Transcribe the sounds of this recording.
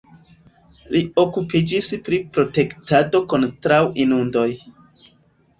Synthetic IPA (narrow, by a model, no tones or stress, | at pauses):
lio̞kupid͡ʒispɾipɾo̞te̞ktado̞ko̞ntɾawinundo̞j